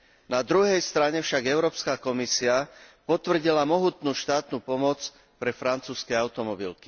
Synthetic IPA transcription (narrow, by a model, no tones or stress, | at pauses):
nad̪ɾuɦɛjst̪ɾaɲɛfʃaɡɛʊɾɔːpskakɔmisiapɔt̪ʋr̩ɟilamɔɦut̪nuːʃt̪aːt̪nuːpɔmɔt͡s | pɾɛfɾant͡suːskɛaʊt̪ɔmɔbḭlki̥